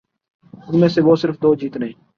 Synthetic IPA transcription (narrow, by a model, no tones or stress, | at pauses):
ʊnmẽːseːʋoːsɪɾfd̪oːd͡ʒiːt̪nəɦĩː